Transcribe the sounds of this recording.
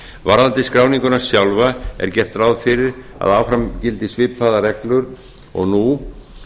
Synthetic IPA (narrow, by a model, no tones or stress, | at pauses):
vaɾðant̪ɪskɾaːwniŋkʏnḁsjawlvaɛ̰ɾ̥cɛr̥t̪raːwðfɪɾɪɾ | a̰ðawfɾamcɪlt̪ɪsvɪːpʰːaðarɛklʏɾ | ɔ̰ɣnu